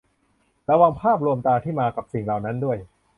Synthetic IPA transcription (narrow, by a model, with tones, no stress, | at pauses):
ɾa˧wa˧ŋpʰaː˥˩p̚ɾu˧əmt̪aː˧t̪ʰiː˥˩maː˧ka˨˩p̚si˨˩ŋlaː˨˩wna˦˥ndu˥˩əj